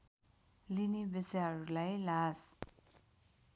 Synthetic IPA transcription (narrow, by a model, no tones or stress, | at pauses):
linibesjɦʌɾulajlas